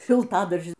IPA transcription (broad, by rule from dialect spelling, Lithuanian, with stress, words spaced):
ʃʲɪlˠˈtɑːdɐrʲʒʲɪn